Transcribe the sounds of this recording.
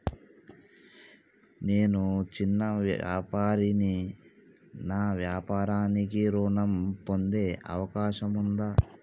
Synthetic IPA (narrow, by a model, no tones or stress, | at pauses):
ne̞ːnut͡ʃinːɐaːpaːɾini | naːʋjaːpaːɾaːnikiɾuːɳɐmpo̞nd̪e̞ːʔɐ̰ʋɐkaːʃɐmund̪aː